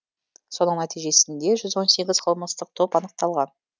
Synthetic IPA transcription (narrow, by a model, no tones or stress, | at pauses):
so̞nəɴnæt̪ijʒe̞sɪnd̪e̞ʒʏzwo̞nse̞ɡʲɪzqʰəlˠməst̪əq̚t̪ʰo̞pɑnəq̚t̪ɑlˠʁɑn